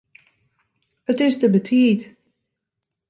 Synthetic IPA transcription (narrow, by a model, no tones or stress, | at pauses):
ətɪsdəbətʰiːt